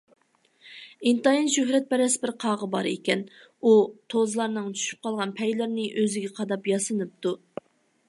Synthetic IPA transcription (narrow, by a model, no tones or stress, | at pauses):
int̪ɑinʃøɦɾɛt̪̚bɛɾɛsbɪɾqʰɑʁəbɑɾekʲɛn | ut̪ʰozlˠɑɾnɨŋt͡ʃʰy̥ʃy̥p̚qʰɑlˠʁɑnpʰɛjlæɾnɨʔøzɪɡʲɛqʰɑd̪ɑpjɑsɨnɨp̚t̪u